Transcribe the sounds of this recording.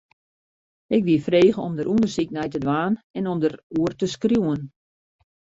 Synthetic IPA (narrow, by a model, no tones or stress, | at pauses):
ɪkʋiəfreːɣəɔmdəɾʔundərsiknɛjtədʋaːnɛnɔmdəɾuərtəskrjuwən